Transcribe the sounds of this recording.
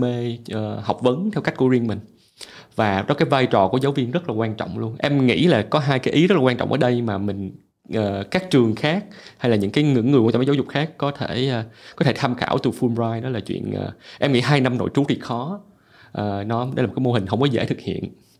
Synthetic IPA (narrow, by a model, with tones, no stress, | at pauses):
me˧ʔəː˨˩hɔ˨˩wk͡p̚və˨˦nt̪ʰɛ˧wkk̟̚ku˧˩əwi˧ənmï˨˩ŋ̟ | vaː˨˩ɗɔ˨˦kaː˨˦jvaː˧jt͡ɕɔ˨˩ku˧˩əzaː˨˦wvi˧ənzə˦˥t̚laː˨˩kwaː˧nt͡ɕɔ̰˧˨wŋ͡mlu˧ənʔɛ˧mŋḭ˧˥laː˨˩kɔ˨˦ɦaː˧jkaː˨˦jʔi˨˦zə˦˥laː˨˩wa˧nt͡ɕɔ̰˧˨wʔəː˨˩ɗə˧jmaː˨˩mï˨˩ŋ̟ | ʔəː˨˩kaː˦˥k̚t͡ɕɨ˨˩əŋxaː˦˥k̚ha˧jlaː˨˩ɲɨ̰˧˥ŋkaː˨˦jŋɨ̰˧˥ŋːɨ˨˩wt͡ɕːzzʊ˨˩k͡p̚xaː˦˥k̚ːɔ˨˦t̪ʰe˧˩˧kɔ˨˦t̪ʰe˧˩t̪ʰa˧mxa̰ː˧˩wt̪u˨˩fu˧mzaː˧jnɔ˨˦laː˨˩t͡ɕwḭ˧˨ənʔə̰ː˨˩ʔɛ˧mŋḭ˧˥ɦaː˧jna˧mno̰˧˨jt͡ɕu˨˦˥ɗi˨˩xɔ˨˦ | ʔəː˨˩nɔ˨˦˧jaː˨˩kːjmo˧ɦï˨˩ŋ̟ɦə˧wŋ͡mmɔː˨˦zḛ˧˩t̪ʰɨ˨k̚hḭ˧˨ən